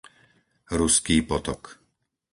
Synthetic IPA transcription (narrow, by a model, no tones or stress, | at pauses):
ɾuskiːpɔt̪ɔk